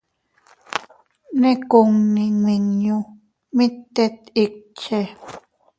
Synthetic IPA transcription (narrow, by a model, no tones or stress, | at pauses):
nekoŋniŋwiŋjo | mit̪ːet̪ik̚t͡ʃe